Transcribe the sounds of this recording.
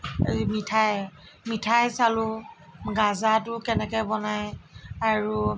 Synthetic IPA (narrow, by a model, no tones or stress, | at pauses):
mitʰaj | mitʰajsalʊ | ɡazatʊkɛnɛkɛjbɔnajaɹu